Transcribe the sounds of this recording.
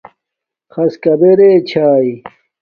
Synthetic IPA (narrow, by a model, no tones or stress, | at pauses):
xɐskɐbeɾeːt͡ɕʰaːi